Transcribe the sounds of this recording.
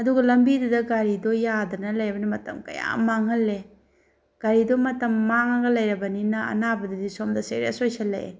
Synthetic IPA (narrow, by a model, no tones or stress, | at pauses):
ɐduɡɐlɐmbidɐdɐɡaɾidɔjadɐnɐlɐjɐbɐnimɐtɐ̰mkɐ̰ja̰maŋɐlːe | ɡ̥aɾidɔmɐtɐmːaŋɐɡɐlɐjɾɐbɐninɐɐ̰nabɐdɐdisomdɐsḛɾḛsojselɐ̰